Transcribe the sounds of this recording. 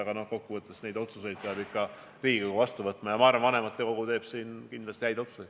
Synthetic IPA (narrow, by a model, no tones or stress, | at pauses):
ɡ̥ɑno̞hko̞kːuvɤt̪ːˑesne̞jd̪̥o̞t̪suse̞jd̪̚peɑbikːɑ | riːɡikoɡuvɑst̪uvɤt̪ːˑmɑjɑmɑːɾrɑmvɑne̞mɑt̪ˑːe̞ko̞ɡ̥ut̪e̞ːb̥siːnkind̪lɑst̪ihæjd̪ot̪suoj̥̪